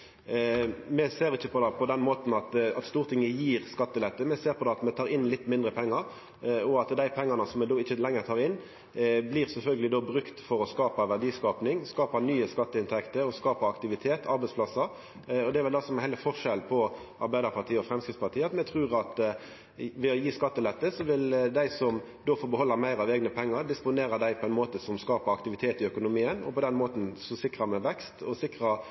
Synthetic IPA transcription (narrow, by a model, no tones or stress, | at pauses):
mɛseːɾɪçːəpʰɔd̪ɑpʰɔd̪ɛnmoːt̪n̩ɑt̪ɑt̪st̪uːɾt̪ʰɪŋːəjiːʁskɑt̪ːəlɛt̪ːəmɛseːɾpʰɔd̪ɛːɑt̪mɛt̪ʰɑːɾɪnlɪt̪ːmɪnd̪ɾəpʰɛŋːɑɾ | ɔɑt̪d̪æɪpʰɛŋːɑnəsɔmɛd̪oːɪçːəlɛŋːəʁt̪ʰɑːʁɪnː | bliːʁsɛlfœlɡəlɪd̪oːbɾʉkt̪fɔɾɔskɑːpɑʋæʁd̪iːskɑːpnɪŋskɑːpɑnyːəskɑt̪ːəɪnt̪ʰɛkt̪əɾɔskɑːpɑɑkt̪ɪʋɪt̪ʰeːt̪ʰɑɾbɛɪspʰlɑsɑ | ɔd̪ɛæʋɛld̪ɑsɔmɛnhɛɪləfɔʁʂɛlpʰɔ | ʔɑɾbæɪd̪əɾpʰɑʁt̪ʰiːəɔfɾɛmskɾɪftspʰɑt̪iːəɑt̪mɛt̪ʰʁʉːʁɑt̪ | ʋɛɔjiːskɑt̪ːəlɛt̪ːəsɔʋɪld̪æɪsɔm | d̪oːfɔɾbəhɔlːəɾmæɪɾɑʋeːɡnəpʰɛŋːɑɾd̪ɪspʊneːɾɑd̪æɪpʰɔɛɪnmoːt̪əsɔmskɑːpɑɑkt̪ɪʋɪt̪ʰeːt̪ɪœkʊnʊmiːənɔ̰pɔd̪ɛnmoːt̪n̩sɔsɪkʁɑmɛʋɛkst̪ɔsɪkʁɑ